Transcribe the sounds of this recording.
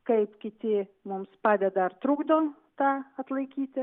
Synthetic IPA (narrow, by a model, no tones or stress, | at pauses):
kɐɪpkʲɪt̪ʲɪmʊmspɑːd̪ʲɛd̪ɐɪrt̪ɾuːɡd̪oː | t̪ɑːɐt̪lˠɐɪkʲiːt̪ʲɪ